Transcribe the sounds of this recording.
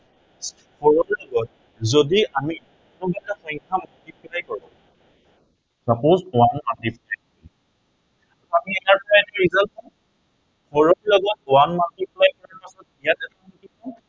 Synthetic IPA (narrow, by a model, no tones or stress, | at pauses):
kʰɔɹɔlɔɡɔt̚ | zodiami | tʊbataxɔŋkʰamatipʰilajkɔɹɔ̰ | sapozwanmatipʰlajkɔɹɔ | aamiɛkaɹpɔɹaɛnɛɹizalt̚ɔ | kʰɔɹɔlɔɡɔt̚wanmatipʰlajkɔɹaɹpasɔt̚ijatɛtakɔkɔtipɔ